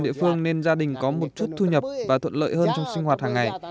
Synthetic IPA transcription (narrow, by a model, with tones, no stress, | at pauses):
nɗḭ˧˨əfɨ˧əŋne˧nzaː˧ɗï˨˩ŋ̟kɔ˨˦mo˨˩t̚t͡ɕu˦˥t̚t̪ʰu˧ɲə˨˩p̚vaː˨˩t̪ʰwə̰˧˨nlə̰ː˧˨jhəː˧nt͡ɕɔ˧wŋ͡msi˧ŋ̟hwaː˨˩t̚haː˨˩ŋːa˨˩j